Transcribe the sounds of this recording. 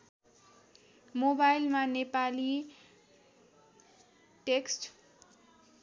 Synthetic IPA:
mobajlmanepali | ʈeksʈ

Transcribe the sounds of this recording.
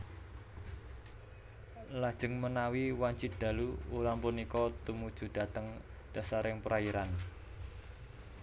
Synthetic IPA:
lad̥ʒ̥ə̤ŋmənawiwaɲt͡ʃid̪̥ä̤luuɾaŋpunikɔt̪umud̥ʒ̥ṳd̥a̤t̪əŋ | d̥a̤saɾɪŋpɾaiɾan

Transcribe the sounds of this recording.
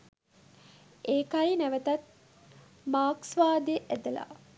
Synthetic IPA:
eːkaɾinæʋət̪ɐt̪̚ | maːksʋaːd̪eʔæd̪əla̰

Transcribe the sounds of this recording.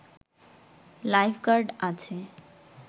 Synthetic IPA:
lajpʰkaɾɖat͡ɕʰe

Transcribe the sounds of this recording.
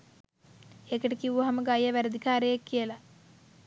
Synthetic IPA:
ekɐʈekiʋuɐɦɐmɐɡajɐʋæɾɐd̪ʱikaːɾejekːijəlɐ

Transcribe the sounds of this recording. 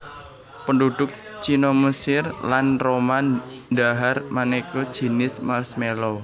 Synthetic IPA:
pənduɖ̥ʊk̚t͡ʃinɔməsɪrlanroman | daɦarmanekɔd̥ʒ̥i̤nɪsmalsmelɔ

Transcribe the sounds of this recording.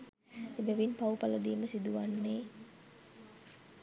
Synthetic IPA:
ebæʋinpaupaləd̪iːməsid̪uʋanːe

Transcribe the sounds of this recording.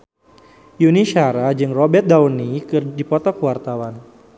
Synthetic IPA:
juniʃaɾad͡ʒɨŋrɔbɛrt̪̚dawnikɨrdipɔt̪ɔkəwart̪awan

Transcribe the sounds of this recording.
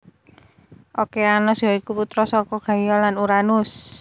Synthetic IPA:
ʔokeanɔsjɔikuput̪ɾɔsɔkɔɡ̥a̤jɔlanuɾanus

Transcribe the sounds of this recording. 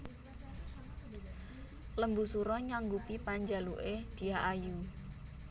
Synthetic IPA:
ləmbusuɾɔɲaŋɡupipaɲd͡ʒaluʔed̪̥i̤aʔaju

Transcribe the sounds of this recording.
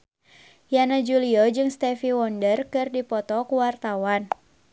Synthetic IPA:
janad͡ʒuliɔd͡ʒɨŋst̪ɛfiwɔndərkɨrdipɔt̪ɔkuwart̪awan

